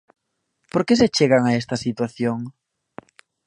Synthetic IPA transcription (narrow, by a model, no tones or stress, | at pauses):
poɾkes̬et͡ʃeɣaŋaest̪ɐsit̪waθjoŋ